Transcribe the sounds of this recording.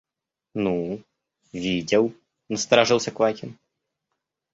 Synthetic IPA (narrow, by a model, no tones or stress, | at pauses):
nu | vʲidʲɪlˠ | nəst̪ɐɾaʐɨlˠsʲɐkvajkʲɪn